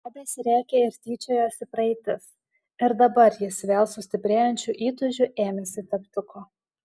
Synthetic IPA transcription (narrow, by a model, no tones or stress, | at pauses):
ɑːbʲeːsʲɾʲæːkʲeɪɾʲt̪ʲiːt͡ʃʲoːjoːsʲɪpɾɐɛɪt̪ʲɪs | ɪɾd̪ɐbɐɾjɪsʋʲeːlˠsʊsʲt̪ʲɪpʲɾʲeːjɛnʲt͡ʃʲuʔiːt̪ʊʒʲʊʔeːmʲɛsʲɪt̪ʲɛpt̪ʊkoː